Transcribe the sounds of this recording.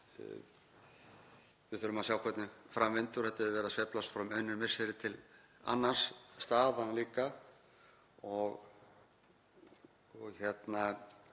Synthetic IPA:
vɪðθʏɾʏmaðsjaːwkʰvɛt̪nɪfɾamvɪnt̪ʏɾ̥hɛht̪ːɛvʏvɛːɾasvɛplast̪fɾamœɥnɪɾmɪsɪɾɪt̪ʰɪla̰nːḁsːt̪aːðanliːka | ɔɣ | ɔɣçɛt̪na

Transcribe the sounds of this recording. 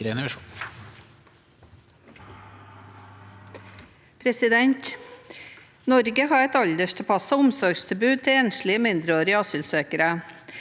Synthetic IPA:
ɾɛnɾɑʃ | pʰɾɛsɪd̪ɛnt̪ | nɔɾɡəhɑːɾɛt̪ɑʎd̪əʃʈʰɛpʰɑsɑʊmsɔɾɡst̪ʰɪlbʉːd̪̚t̪ʰɪeːnslɪəmɪnd̪ɾəoːɾɪəɑsʏlsøːkəɾə

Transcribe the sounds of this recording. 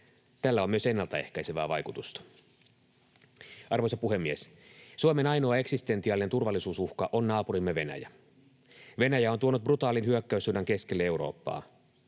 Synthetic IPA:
t̪ælːæo̞myøse̞nːɑlt̪ɑe̞̰hkæjseʋæ̰ːʋɑjkut̪ust̪ɑ̥ | ɑrʋo̞jsɑpuɦe̞mːies | suome̞nɑjnoɑeksist̪e̞nt̪iɑːline̞nt̪urʋɑlːˑisuːsuhkɑʔo̞nːɑːpurimːeʋe̞næ̰jæ | ʋe̞næjæo̞nt̪uo̞nut̪̚brut̪ɑːlinɦyøkːæysːunːɑŋke̞skelːee̞uɾo̞̰ːpːɑ̰ː

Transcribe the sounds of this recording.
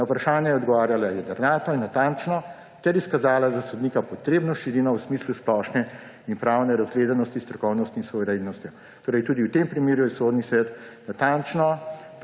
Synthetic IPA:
nawpɾaʃaːnjɛjɛɔd̪ɡɔʋaːɾjalajɛd̪ɐɾnaːt̪ɔinːat̪ant͡ʃnɔ | t̪ɛɾiskazaːlad̪asɔd̪nikapɔt̪ɾebnɔʃiɾinawsmiːslusplɔʃnɛ | inpɾawnɛɾazɡleːd̪anɔst̪ist̪ɾɔkɔwnɔst̪insuʋɛɾenːɔst̪jɔ | t̪oːɾɛjt̪uːd̪iwt̪empɾimeːɾujɛsoːd̪nisʋɛt̪nat̪ant͡ʃnɔ

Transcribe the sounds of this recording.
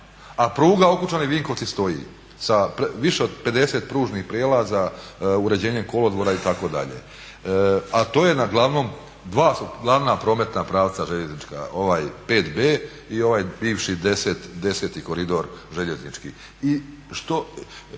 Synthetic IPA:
apɾuːɡao̞kut͡ʃaniʋiŋko̞ʋt̪sist̪o̞jḭ | sapʋiʃeod̪pe̞d̪e̞se̞t̪pɾuːʒnixpɾjelˠazauɾe̞d͡ʑe̞ːɲe̞mko̞lo̞d̪ʋoɾait̪ako̞d̪a̰ʎḛ | at̪o̞ːje̞naɡlˠaʋno̞ːm | d̪ʋaːsuɡlˠaʋnapɾo̞ːme̞t̪napɾaːʋt̪saʒe̞ʎe̞znit͡ʃka̰ʔo̞ʋaːjpe̞ːt̪beː | io̞ʋaːjbiːʋʃid̪e̞set̪d̪e̞set̪iko̞ɾid̪o̞ɾʒe̞ʎeznit͡ʃkḭ | i | ʃt̪o

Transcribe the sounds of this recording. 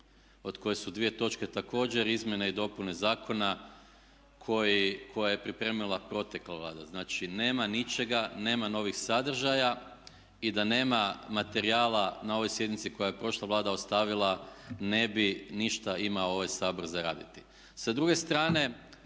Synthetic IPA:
o̞d̪ko̞je̞sud̪ʋije̞t̪o̞t͡ʃke̞t̪ako̞ːd͡ʒe̞ɾizmje̞neid̪o̞punezaːkʰo̞na | kʰo̞jikʰo̞jaje̞pɾipɾe̞ːmilˠapɾo̞t̪jeklˠaʋlˠaːd̪aznaːt͡ʃine̞ːmanit͡ʃe̞ɡane̞ːmano̞ʋixsad̪r̩ʒaja | id̪ane̞ːmamat̪e̞ɾiaːlˠanao̞ʋo̞jsjed̪nit̪siko̞jaje̞pɾo̞ʃlˠaʋlˠaːd̪aost̪aʋilˠane̞biniʃt̪aimaoo̞ʋajsaːbo̞ɾzaɾa̰ːd̪it̪i̥ | sad̪ɾuɡe̞st̪ɾaːne̞

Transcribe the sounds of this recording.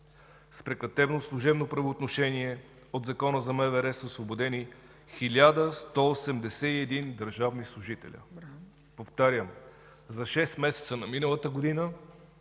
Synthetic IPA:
spɾɛkɐt̪ɛbnoslˠuʒɛbnopɾɐvoːt̪noʃɛniɛ | od̪zɐkɔnəzɐmɛvɛɾɛsəosvobod̪ɛni | xilʲad̪əst̪ɔːsɛmd̪ɛsɛiɛd̪ind̪əɾʒavnislˠuʒit̪ɛ̰lʲə̰ | poft̪aɾʲjəm | zɐʃɛst̪mɛsɛ̥t̪sənɐminəlˠət̪əɡod̪inə

